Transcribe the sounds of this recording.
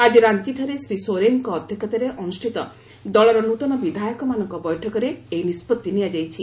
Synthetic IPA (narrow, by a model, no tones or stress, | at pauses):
ad͡ʒiɾant̪iʈʰɔɾesɾisoɾeŋkɔːd̪ʱjɔkʰat̪aɾeʔɔnusʈʰit̪ɔ | d̪ɔɭɔɾɔnut̪ɔnɔbid̪ʱajɔkɔmanɔŋkɔbɔjʈʰɔkɔɾeejnispɔt̪ːiniad͡ʒajt͡ʃʰi